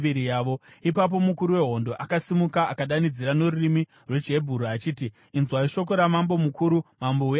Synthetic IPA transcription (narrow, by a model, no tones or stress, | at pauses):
ʋiɾijaːʋo̞ipap̬o̞mukuɾuwe̞ɦo̞ndo̞ʔakasimukaʔakaɗanid͡ziɾano̞rurimi | rwed͡ʒe̞bʱuɾuat͡ʃiːtiː | nzwaiʃo̞k̬o̞ɾamambo̞mukuːɾumambou